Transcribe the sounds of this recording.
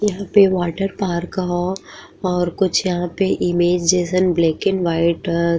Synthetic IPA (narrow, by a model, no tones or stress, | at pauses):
jɐɦãːpeʋaːʈəɾpaːɾkɐɦo | ɔːɾkʊt͡ʃʰjɐɦãpeʔɪmeːd͡ʒd͡ʒeːsənbleːkɪnʋaːɪʈ